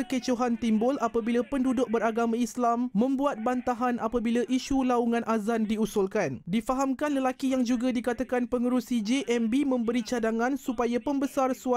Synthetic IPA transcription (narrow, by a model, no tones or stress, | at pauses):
kət͡ʃoɦant̪imbʊlapabilapəndudʊk̚bəɾaɡamãislamːə̃mbuat̪̚bant̪aɦanʔapabilaʔiʃulauŋãnʔazandiusʊlkandifaɦamkanləlakijaŋd͡ʒuɡadikat̪akanpəŋəɾusid͡ʒeʔɛmbimə̃mbəɾit͡ʃadaŋãnsupajapəmbəsarsua